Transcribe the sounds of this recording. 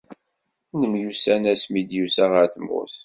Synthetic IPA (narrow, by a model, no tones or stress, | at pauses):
nəmjusænæsmid̪jusæʁəɾθəmʊ̰s